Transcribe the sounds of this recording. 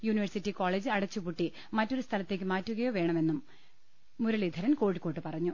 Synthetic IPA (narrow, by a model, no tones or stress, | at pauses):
juːniʋɐrsitːiko̞ːɭeːd͡ʑɨɐɽɐt͡ɕːupuʈːi | mɐtːo̞ɾust̪ʰɐlɐt̪ːe̞ːkːɨmaːtːuɣɐjo̞ːʋe̞ːɳɐme̞nːumː | uɾuɭid̪ʱɐɾɐnko̞ːɽikːo̞ːʈːɨpɐrɐɲːu